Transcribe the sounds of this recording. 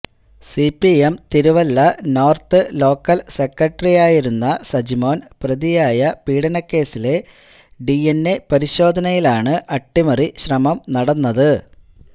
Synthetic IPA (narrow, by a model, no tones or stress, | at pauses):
sipːiemt̪iɾuʋɐlːɐno̞ːrt̪ɨlo̞ːkːɐlse̞kːɐʈːrijaːjiɾunːɐsɐd͡ʑimo̞ːnprɐðijaːjɐpiːɽɐnɐkːe̞ːsile̞ | ɖienːe̞pɐɾiɕo̞ːd̪ʱɐnɐjilaːɳɨʔɐʈːimɐriɕrɐmɐmnɐɽɐnːɐðɨ